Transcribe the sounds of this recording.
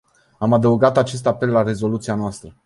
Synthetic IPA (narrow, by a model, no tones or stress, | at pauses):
amad̪əuɡat̪at͡ʃe̞s̬t̪ape̞lːare̞zo̞lut̪sianoast̪ɾə